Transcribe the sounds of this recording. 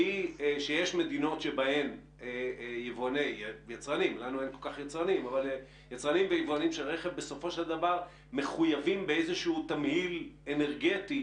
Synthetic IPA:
iʃejeʃme̞d̪ino̞tʃebahe̞m | ejevoanejjat͡sʁanimlanuenko̞lkaχjat͡sʁanimaval | jat͡sʁanimvejevoanimʃelʁeχevbe̞so̞fo̞ʃeld̪avaʁ | me̞χujavimbeezeʃuuːt̪amhilene̞ʁɡet̪i

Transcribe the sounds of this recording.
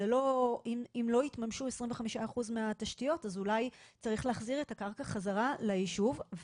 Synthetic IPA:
elo̞imimlo̞itmamʃue̞sʁimveχamiʃaːχuzmeataʃtijo̞tazulajt͡saʁiχleːχziʁe̞takaʁkaχazaʁalajiʃuv

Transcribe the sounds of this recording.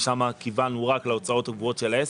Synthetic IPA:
ʃamakivanuʁakleo̞t͡sao̞taɡvuo̞tʃelaes

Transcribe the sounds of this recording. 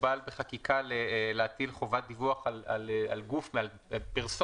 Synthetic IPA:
balbeχakikʰaleleatilχo̞vat̪̚d̪ivuaχalalalɡufmeal | piʁso

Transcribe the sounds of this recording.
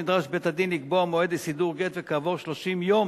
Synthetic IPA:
id̪ʁaʃbet̪ad̪inliɡboamoed̪isid̪uʁɡet̪vekaːvo̞ʁʃlo̞ʃimjom

